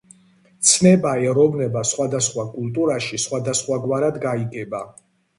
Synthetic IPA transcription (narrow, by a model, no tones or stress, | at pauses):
t̪sʰnɛbaɛɾɔvnɛbasχwad̪asχwakʼulˠt̪ʼuɾaʃisχwad̪asχwaɡwaɾad̪ɡaiɡɛba